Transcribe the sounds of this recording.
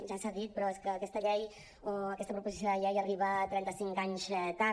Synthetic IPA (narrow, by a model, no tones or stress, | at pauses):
ʒasaðit̪̚pɾɔeskəːkɛst̪əʎɛj | oəkɛst̪əpɾupuzisjoðəʎɛjəriβət̪ɾɛnt̪əsiŋkaɲzɛt̪a